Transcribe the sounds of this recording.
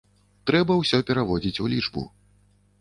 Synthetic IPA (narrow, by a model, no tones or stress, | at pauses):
t̪ɾɛbɐwsʲɔpʲɛɾavɔd͡zʲit͡sʲulʲit͡ʂbṵ